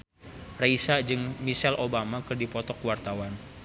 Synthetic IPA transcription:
raisad͡ʒɨŋmisɛlʔobamakɨrdipɔt̪ɔkwart̪awan

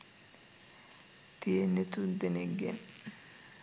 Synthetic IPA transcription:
t̪ienet̪und̪eneɡḛn

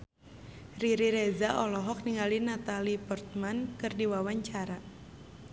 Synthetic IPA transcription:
riɾiɾɛzaʔɔlɔɦɔk̚niŋalinat̪alipɔrt̪̚mankɨrdiwawaɲt͡ʃaɾa

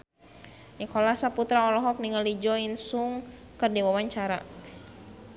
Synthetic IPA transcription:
nikɔlasaput̪ɾaɔlɔɦɔk̚niŋalid͡ʒɔinsuŋ | kərdiwawaɲt͡ʃaɾa

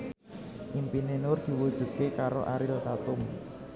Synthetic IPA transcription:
ʔimpinenʊrd̪̥i̤wud̥ʒ̥ṳt̪̚kekaɾo̰ʔaɾɪlk̪at̪ʊm

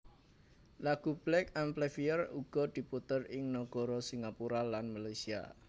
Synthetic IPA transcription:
laɡ̥ṳb̥lɛk̚amplɛfiəruɡ̥ɔ̤d̪̥i̤put̪ərɪŋnɔɡ̥ɔ̤ɾɔsiŋapuɾalanmalajsia̰

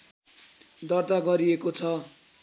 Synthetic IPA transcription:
d̪ʌrd̪aɡʌɾiekot͡sʰʌ

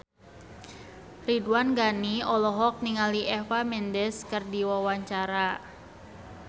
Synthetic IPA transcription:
ridwanɡaniɔlɔɦɔk̚niŋaliʔɛfamɛndɛskɨrdiwawaɲt͡ʃaɾa

